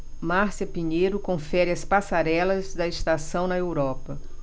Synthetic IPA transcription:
maɾsɐpiɲejɾʊkõfɛɾɪɐspasaɾɛlɐzd̪ɐest̪asɐ̃w̃nɐewɾɔpɐ

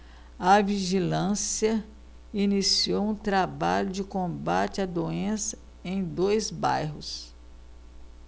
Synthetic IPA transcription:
ɐviʒilɐ̃siɐ | inisiowũt̪ɾabaʎʊd͡ʒɪkõbat͡ʃɪɐd̪oẽsɐ̥ | ẽj̃d̪ojzba̰jɦʊs

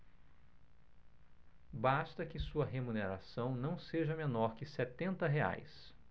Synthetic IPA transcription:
bast̪ɐkɪsuɐɦemuneɾasɐ̃w̃nɐ̃w̃seʒɐmenɔɾkɪsɛt̪ẽnt̪ɐɦea̰js

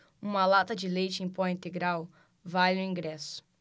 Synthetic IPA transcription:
ũmɐlat̪ɐd͡ʒɪlejt͡ʃɪẽj̃pɔĩnt̪eɡɾaw | vajʊ̃ĩŋɡɾɛsʊ̥

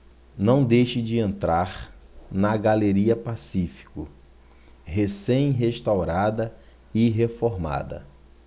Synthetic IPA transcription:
nɐ̃w̃d̪ejʃɪd͡ʒɪẽnt̪ɾaɾnɐɡaleɾiɐpasifi̥kʊ | ɦesẽj̃ɦeʃt̪awɾad̪ɐ | ɪɦefoɾma̰d̪ɐ̰

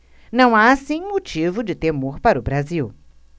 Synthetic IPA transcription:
nɐ̃w̃aːsĩmot͡ʃivʊd͡ʒɪt̪emoɾpaɾʊbɾaziw

